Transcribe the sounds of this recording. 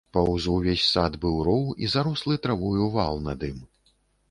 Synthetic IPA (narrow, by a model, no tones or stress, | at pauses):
pawzuwvʲesʲsad̪bɨwɾɔwizaɾuslˠɨt̪ɾavujuwvalˠnad̪ɨm